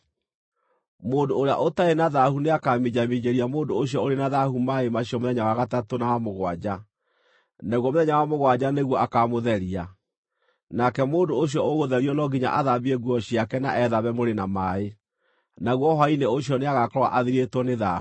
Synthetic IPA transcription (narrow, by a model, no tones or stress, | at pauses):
moːndoːɾea̰ʔotaenaðahuneakaːmid͡ʑamid͡ʑeɾiamoːndoːɕiɔoɾenaðahumaemaɕiɔmoðɛɲawaɣatatonawamoɣwad͡ʑa | naɣwɔmoðɛɲawamoɣwad͡ʑaneɣwɔʔakamoðɛɾia | nakɛmoːndoːɕ̬jɔoɣoðɛɾiɔnɔɡiɲa̰ʔaðaβieɡwɔɕiakɛna̰ʔɛðaβɛmoɾenamae | naɣwɔɦaineoɕjɔneaɣakɔɾwa̰ʔaðiɾetwɔneða̰